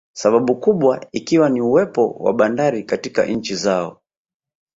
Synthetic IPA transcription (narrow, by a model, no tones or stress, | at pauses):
saɓaɓukuɓwaikiwaniuwɛpɔ̰wa̰ɓandaɾikatika̰ʔn̩t͡ʃizaɔ̰